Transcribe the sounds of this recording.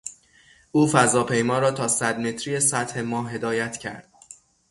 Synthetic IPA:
ʔuːfæzɒːpʰe̞jmɒːɾɒːt̪ʰɒːsæd̪me̞t̪ʰɾijesæt̪he̞mɒːɦe̞d̪ɒːjæt̪ʰcʰæ̰ɾd̪̥

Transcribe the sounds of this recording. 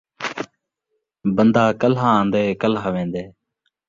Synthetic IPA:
bənd̪aːkəlɦãːãːnd̪eːkəlɦaːʋẽːnd̪eː

